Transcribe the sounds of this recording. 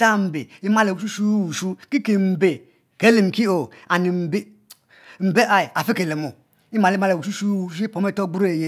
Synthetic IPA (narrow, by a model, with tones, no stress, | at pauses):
ta˦m̩˨be˨i˦ma˦le˨u˨u˦su˦˨u˨su˦ki˦ke˨m̩˨be˨ | ke˦le˨m˨ki˦o˨a˨ni˨m̩˨be˦˨ | m̩˨be˦ʔa˨i˨a˨fi˦ke˨le˨mo˨ | i˦ma˨li˦ma˦le˨u˨su˦su˦˨u˦i˦po˨˦me˦˨to˦ɡ͡bu˦ɾe˦˨je˦